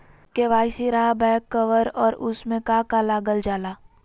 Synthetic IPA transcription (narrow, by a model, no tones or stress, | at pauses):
keʋaːɪsiɾaɦabɛːkːəʋəɾɔːɾʊsmẽkaːkalaːɡəld͡ʒaːlaː